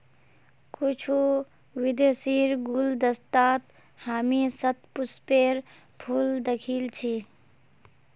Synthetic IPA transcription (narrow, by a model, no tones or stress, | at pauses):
kut͡ʃʰu | ʋɪd̪siːɾɡuld̪əst̪aːt̪ | haːmisət̪̚puspeːɾ | pʰuːld̪əkʰiːlt͡ʃʰi